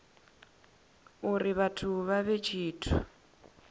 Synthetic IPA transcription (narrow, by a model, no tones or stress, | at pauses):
uriβatʰuβaβet͡ʃʰiːtʰu